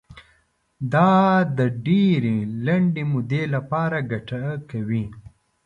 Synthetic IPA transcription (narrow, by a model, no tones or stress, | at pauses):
d̪ɑd̪əɖeɾelɐɳɖemʊd̪elapɑɾaɡaʈakawi